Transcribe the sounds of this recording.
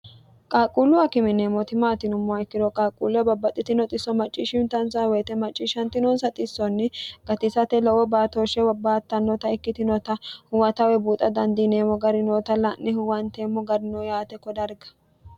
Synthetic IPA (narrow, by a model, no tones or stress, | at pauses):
kʼaːkʼulʊɐkɪmɪneːmːɔt̪ɪmaːt̪ɪnʊmːɔɐɪkːɪd̪ɔkʼaːkʼṵːlʊɐbɐbːɐt̪ʼːɪt̪ɪnɔt̪ʼɪsɔmɐt͡ʃʼːiʃɪmt̪ɐnsɐwɛːt̪ɛmɐt͡ʃʼːiʃɐnt̪ɪnoːnsɐt̪ʼɪsːɔnːɪɡ̥ɐt̪ɪsɐt̪ɛlɔwɔbaːt̪oːʃɛbɐbːaːt̪ːɐnːɔt̪ɐɪkːɪt̪ɪnɔt̪ɐhʊwɐt̪ɐwɛbuːt̪ʼɐd̪ɐnd̪ineːmɔɡɐɾɪnoːt̪ɐlɐnːɪhʊwɐnt̪eːmːɔɡɐɾɪnojaːt̪ɛkːɔd̪ɐɾɡɐ̥